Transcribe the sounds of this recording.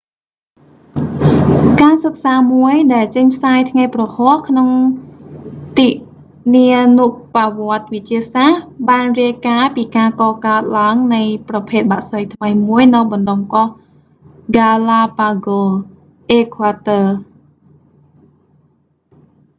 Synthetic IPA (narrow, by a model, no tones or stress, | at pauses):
kansək̚saːmuəjɗaɛlt͡ɕəɲpʰsaːjt̪ʰŋajprɑhɔ̆əhkʰnoŋ | t̪iːʔ | niənuʔpaʋŏət̪̚ʋɨc̚t͡ɕiəsahɓaːnriəjkaːpiːkaːkɑːkaət̪̚laəŋnɨjprɑpʰeːt̪̚ɓaʔsəjt̪ʰməjmuəjnɨwɓɑnɗomkoh | ɡalapaɡo | ʔeːkʰaːt̪əː